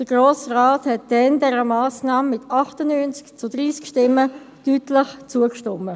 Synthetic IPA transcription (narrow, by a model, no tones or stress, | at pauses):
d̥əɡ̥roːsraːthɛt̚d̥ɛndɛɾəmaːsnaːmːɪtʰɑχtənyːnt͡skt͡sʊdʁiːskʃtɪmːə | tyːtlɪχt͡suəkʃtɔmːə